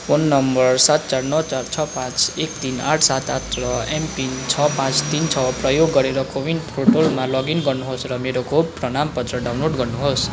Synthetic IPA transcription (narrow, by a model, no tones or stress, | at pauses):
ponːʌmbʌrsat̪̚t͡sarnʌt͡sart͡sʰʌpãt͡sekt̪inaʈʰsat̪at̪rʌempint͡sʰʌpãt͡st̪int͡sʰʌprʌjoɡːʌɾeɾʌkowinpʰroʈolmalʌɡinɡʌrnuɦosrʌmeɾokoprʌnampʌt̪rʌɖawnloʈɡʌrnuɦos